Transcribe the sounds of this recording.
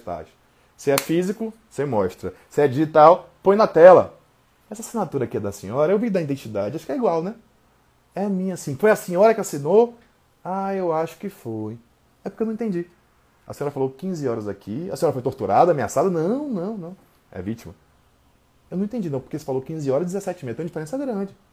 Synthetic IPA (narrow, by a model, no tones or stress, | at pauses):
t̪a̰d͡ʒɪ | sɪɛfizikʊ | semɔʃt̪ɾɐsɪɛd͡ʒiʒit̪awpõj̃nɐt̪ɛlɐ̰ | ɛsɐasĩnat̪uɾɐkiɛd̪ɐsĩɲɔɾɐewvid̪ɐĩd̪ẽt͡ʃid̪ad͡ʒɪaʃʊ̥kɛiɡwawnɛ | ɛmĩɲɐasĩfojɐsĩɲɔɾɐkɪasĩno | aewaʃʊ̥kɪfoj | ɛpoɾkewñĩt̪ẽd͡ʒi | ɐ̰sĩɔɾɐfalokĩzɪɔɾɐzakʰiɐ̰sĩjɔɾɐfojt̪oɾt̪uɾad̪ɐaːmẽa̰sad̪ɐnɐ̃w̃nɐ̃w̃nɐ̃w̃ | ɛ̰vit͡ʃimɐ | ewnɐ̃t̪ẽd͡ʒinɐ̃w̃poɾkesɪ̥falokĩzɪɔɾɐzd͡ʒ̪ɪzesɛt͡ʃɪmiɐt̪ẽd͡ʒifeɾẽsɛɡɾɐ̃d͡ʒɪ